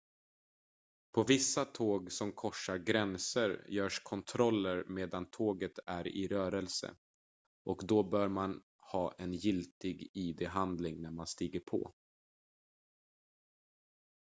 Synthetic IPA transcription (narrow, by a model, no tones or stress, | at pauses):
pʰɔvɪsːat̪ʰoːɡsɔmkʰɔʂːaɾɡɾɛnsəɾjœːʂkʰɔnt̪ʰɾɔlːəɾmeːd̪ant̪ʰoːɡət̪æɾɪ̰ɾœːɾɛlsə̰ | ʔɔkd̪ɔbœːɾman | hɑːʔɛnjɪlt̪ɪɡiːd̪eɦand̪lɪŋnæɾmanst̪iːɡəɾpʰɔ̰ː